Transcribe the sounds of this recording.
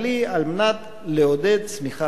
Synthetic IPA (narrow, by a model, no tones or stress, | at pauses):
lialmenat̪ | leod̪e̞d̪̚t͡smiχa